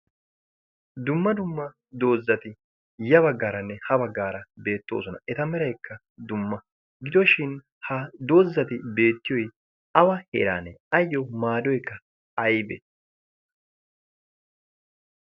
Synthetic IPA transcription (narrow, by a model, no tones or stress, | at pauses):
d̪ʊmːɐd̪ʊmːɐ | d̪o̞ːzːɐt̪ɪ | jɐβɐɡːaːɾɐnːɛhɐbɐɡːaːɾɐbe̞ːt̪ːo̞̰ːsɔnɐʔɛt̪ɐmɛɾɐjkːɐ | d̪ʊmːɐ | ɡɪd̪ɔʃɪn | hɐd̪o̞ːzːɐt̪ɪbe̞ːt̪ːɪjɔj | ɐwɐhḛɾa̰ːnɛɐjːɔmaːd̪ɔjkːɐ | ɐjbḛːt̪